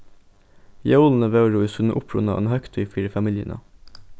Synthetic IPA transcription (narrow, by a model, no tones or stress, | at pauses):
jɛuːln̩əʋeɾuːiːsʉnʔʊpʰɹʉ̰nɑ̰ʔḛːnhœkt̪ʰœʏfiːɾəfɑmɪljə̰nʔə̰